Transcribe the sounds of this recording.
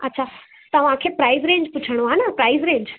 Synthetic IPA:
ɐtːɕʰa | t̪ɐʋ̤ãkʰeːpɾaːɪzɾẽːɲd͡ʑpʊt͡ɕʰəɽ̃oaːnɐpɾaːɪzɾẽːɲd͡ʑ

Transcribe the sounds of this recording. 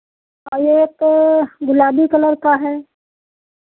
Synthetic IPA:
ajeːt̪ɡʊlaːbikɐləɾkaɦɛː

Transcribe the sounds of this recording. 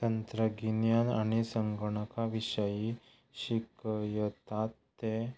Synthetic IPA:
t̪ənt̪ɾəɡinjanaɽ̃isəŋɡəɳ̃əkaʋiɕəji | ɕikjət̪at̪ːe

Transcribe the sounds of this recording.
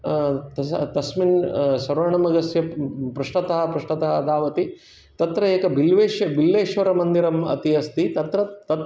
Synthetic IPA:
t̪ɐt̪ɐsminsɐɾɐɳɐmɐɡɐsjɐpɾuʂʈɐt̪ɐɦɐpɾuʂʈɐt̪ɐɦɐd̪aːʋɐt̪i | t̪ɐt̪ɾɐeːkɐbilʋeːʃjɐbilːeːʃʋɐɾɐmɐnd̪iɾɐmɐ̰t̪iɐst̪it̪ɐt̪ɾɐt̪ɐt̪

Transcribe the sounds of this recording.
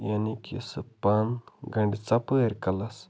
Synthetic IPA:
janikḭsɨpanɡəɳɖʲt͡sapəeɾʲkalas

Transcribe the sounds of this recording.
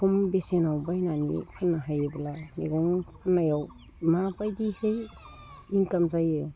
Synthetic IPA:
kʰumbesenawbajnanḭpʰɯnːaɦajebalamiɡɔŋpʰɯnːajaw | mapajdihej | iŋkamzaje

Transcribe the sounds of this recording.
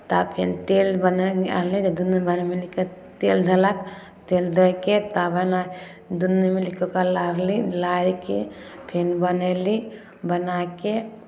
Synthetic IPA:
t̪aːpʰḛnt̪eːlbɐnea̰ɾlid͡ʒɐd̪unːɐbɐnɐmilikɐ | t̪eːld̪ʱɐlak | t̪eːld̪ʱɐket̪abɐna | d̪unːemilikokɐlaɾlilaːɾikepʰenbɐneli | bɐnaːke

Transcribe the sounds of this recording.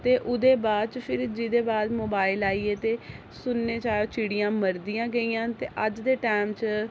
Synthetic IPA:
t̪eːʔʊd̪eːbaːd̪̚t͡ʃpʰɪɾd͡ʒɪd̪eːbaːd̪moːbaːɪlaːiːeːt̪eː | sʊnːeːt͡ʃaːjoːt͡ʃɪɽijãːməɾd̪ɪjãːɡəiːãːt̪eːʔəd͡ʒd̪eːʈɛːmt͡ʃ

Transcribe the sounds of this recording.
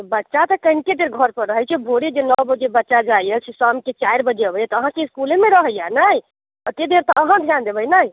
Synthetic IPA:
bətːʃat̪ɔkəinked̪eɾɡʱəɾpəɾəɦɛt͡ʃʰɛbʱoɽid͡ʒenəwbəd͡ʒebətːʃad͡ʒajət͡ʃʰisamket͡ʃaiɾbəd͡ʒeəbəjɛt̪ɔəɦãkeiskulemeɾəɦəjanaj | ət̪ed̪eɾt̪ɔəɦãd̪ʱjand̪ebəjnaj

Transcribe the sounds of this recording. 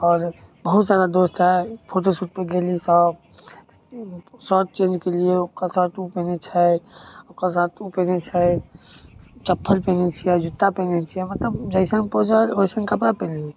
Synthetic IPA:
ɔːɾbəɦut̪sad̪ad̪ost̪ɦɛpʰoʈ̬osuʈ̚peɡelisəb̚ | t̪ | sɔʈ̚t͡ʃẽnd͡ʒkelieokəsat̪ʰupɛnet͡ʃʰɛokəsat̪ʰupenɛt͡ʃʰɛ | t͡ʃəpʰːəlpɛ̃nɛt͡ʃʰijɛd͡ʒut̪ːapenɛt͡ʃʰiɛmət̪ləbd͡ʒəɪsə̃ŋpɔɦd͡ʒaoisə̃ŋɡkəpɾapɛni

